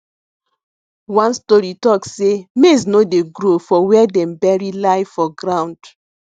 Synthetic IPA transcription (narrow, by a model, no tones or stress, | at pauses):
wãnstɔɹitɔkssemesnodeɡɾofɔwɛdɛ̃mbɛɹilaɪfɔɡɾãw̃nd